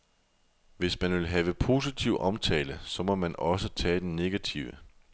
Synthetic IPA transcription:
ʋe̝smænʋe̝lɦɛːʋəpʰo̝ːsit͡sʰiʊʔɒ̽mt͡sʰɛ̰ːləsɒ̽mɒ̽mænɒ̽s̬ət͡sʰɛ̰ːd̥enne̝ɡ̥æt͡sʰiʊə

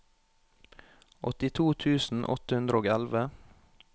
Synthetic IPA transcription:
ʔɔt̪ɪt̪ʰuːt̪ʰʉːsn̩ʔɔ̰t̪əhʉnd̪ɾəoːɡɛlʋə

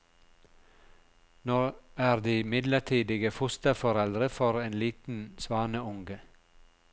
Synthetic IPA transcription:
noːæːɾd̪iːmɪd̪ləʈʰiːd̪ɪɡəfʊst̪əfɔɾɛld̪ɾəfɔɾeːnliːt̪n̩sʋɑːnəʊŋɡə

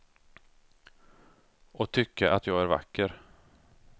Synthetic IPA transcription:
ɔt̪ʰʏkːaʔat̪jɑːɡæɾva̰kːəɾ

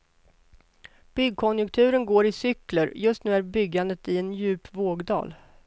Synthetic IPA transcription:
b̥ʏɡkʰɔnjɵkt̪ʰʉ̟ːɾənɡoːɾɪsʏkləɾjɵst̪nʉ̟ːæɾbʏɡːand̪ət̪ɪɛnjʉ̟ːpvoːɡd̪ɑ̰ːl

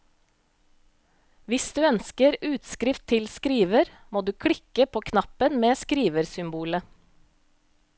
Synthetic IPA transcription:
ʋɪsd̪ʉːœnskəɾʉːt̪skɾɪft̪ʰɪlskɾiːʋəɾ | moːd̪ʉːkʰɽɪkəpʰoːkʰnɑpənmeːskɾiːʋəɾsʏmbuːlə

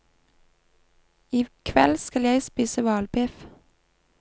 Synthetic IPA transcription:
iːkʰʋɛlskɑljæɪspiːsəʋɑːlbɪf

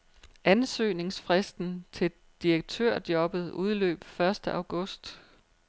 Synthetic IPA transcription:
ʔænsø̰ːne̝ŋsfʁɛsd̥n̩t͡sʰe̝ | d̥iʁeɡ̥̚t͡sʰø̰ɐ̰d̥jɒ̽b̥ð̞̩ˠuð̞ˠlø̰ːb̥fɶɐsd̥əʔɑ̈ʊɡ̥ɔ̽sd̥

